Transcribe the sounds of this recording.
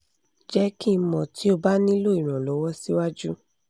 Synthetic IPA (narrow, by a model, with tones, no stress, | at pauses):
d͡ʒɛ˦ki˦˧˦mɔ̃˨ti˨˦o˧ba˦nĩ˦lo˦i˨ɾ̃ã˨lɔ˨˦wɔ˦si˦wa˦d͡ʒu˦